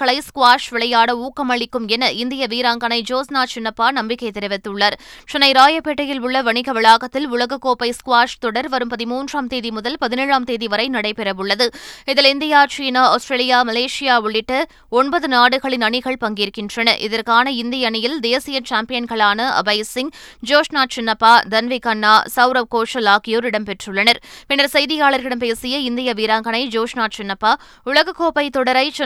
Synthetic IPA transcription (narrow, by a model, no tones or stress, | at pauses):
kɐɭɐɪskʊʋaːʂʋɪɭɐjaːɽɐuːkːɐmɐɭɪkːɯmɛnɐɪnd̪ɪjɐʋiːɾaːŋɡɐnɐɪd͡ʒoːsnaːt͡ʃɪnːɐpːaːnɐmbɪkːɐɪt̪ːɛɾɪʋɪt̪ːɯɭːɐɾt͡ʃɪnɐɪɾaːjɐpːeʈːɐjɪlʊɭːɐʋɐɳɪɣɐʋɪɭaːɣɐt̪ːɪlʊɭɐɣɐkːoːpɐɪskʊʋaːʂt̪ɔɽɐɾʋɐɾɯmpɐðɪmuːndraːmt̪eːðimʊðɐlpɐðɪneːɻaːmt̪eːðiʋɐɾɐɪnɐɽɐɪpɛɾɐʋɯɭːɐðɯɪðɪlɪnd̪ɪjaːt͡ʃiːnaːɐʊsʈɾeːlɪjaːmɐleːʂɪjaːʊɭːɪʈːɐ | ɔnbɐðɯnaːɽɯɣɐɭɪnɐɳɪɣɐɭpɐŋɡiːɾkːɪndrɐnɐʔɪ̰ðɐɾkaːnɐɪnd̪ɪjɐɐɳɪjɪld̪eːsɪjɐt͡ʃaːmpɪjɐnɣɐɭaːnɐʔɐ̰bɐɪsɪŋ | d͡ʒoːʂnaːt͡ʃɪnːɐpːaːd̪ɐnʋɪkɐnːaːsɐʊɾɐʋkoːʂɐlaːkɪjoːɾɪɽɐmpɛʈrɯɭːɐnɐɾpɪnːɐɾsɐjðɪjaːɭɐɾɣɪɽɐmpeːsɪjɐɪnd̪ɪjɐʋiːɾaːŋɡɐɳɐɪd͡ʒoːʂnaːʈ̚t͡ʃɪnːɐpːaː | ʊɭɐɣɐkːoːpɐɪt̪ɔɽɐɾɐɪt͡ʃ